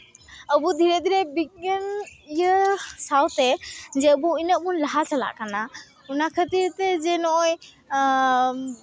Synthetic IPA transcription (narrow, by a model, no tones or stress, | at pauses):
əbud̪ʱiɾɛd̪ʱiɾɛbik̚ənijəsawt̪ɛd͡ʒɛəbuinəʔ̚bunlaɦasala̰ʔkana | unakʰət̪iɾt̪ɛd͡ʒɛnɔj